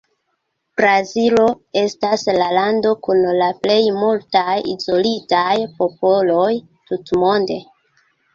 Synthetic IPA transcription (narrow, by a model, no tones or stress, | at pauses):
bɾazilo | e̞staslalando̞kunlaple̞jmultajizo̞litajpo̞po̞lo̞j | tutmo̞nde̞̰